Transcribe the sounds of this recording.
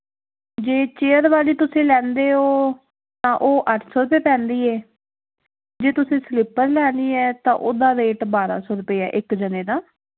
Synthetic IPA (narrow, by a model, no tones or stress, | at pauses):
d͡ʒeːt͡ʃeːəɾʋaːliːt̪ʊsẽːlɛ̃ːnd̪eːɦoː | t̪ãːʔoːʔəʈʰsɔːɾʊpeːpɛ̃ːnd̪iːɛː | d͡ʒeːt̪ʊsẽːslɪpəɾlɛːnd̪iːɛːt̪ã̰ːʔoːd̪aːɾeːʈbaːɾa̰ːsɔːɾʊpeːɛ̰ːʔɪkd͡ʒənẽːd̪aː